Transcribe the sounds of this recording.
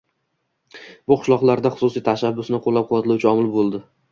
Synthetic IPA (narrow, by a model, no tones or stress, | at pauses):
bʊqʰʊ̥ʃlˠɒqlˠaɾd̪aχʊ̥sʊsijt̪ʰaʃabːʊsnɪqʰolːap̚qʰɑat̪ʰɪlawt͡ʃʰɪɒmɪlbolˠd̪ɪ